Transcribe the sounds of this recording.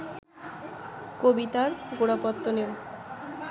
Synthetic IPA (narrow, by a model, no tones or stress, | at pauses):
kobit̪aɾɡoɽapɔt̪ːoneo